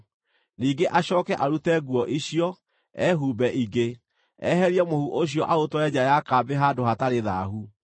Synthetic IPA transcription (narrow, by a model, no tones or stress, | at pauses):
niːɡeʔaɕɔːkɛʔaɾutɛɡwɔʔiɕjɔ | ɛɦuːbɛʔiɡe | ɛɦɛɾiɛmohuʔoɕ̬jɔʔaotoɛd͡ʑajakabeɦadohataɾeðaɦu